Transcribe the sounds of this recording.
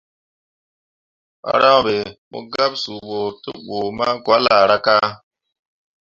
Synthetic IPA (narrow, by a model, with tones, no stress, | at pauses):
ɓa̰˦ɾa˦˨ɓe˨mo̰˦ɡa˦p̚su˨ɓo˨tɨ̰˦ɓo˨ma˦ɡwa˨˦la˨ɾa˦ka˦